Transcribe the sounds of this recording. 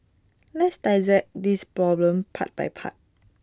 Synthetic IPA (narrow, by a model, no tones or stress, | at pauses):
lɛtstaɪzɛt̚dispɹɔblə̃mpʰa̰t̚ba̰jpʰa̰t̚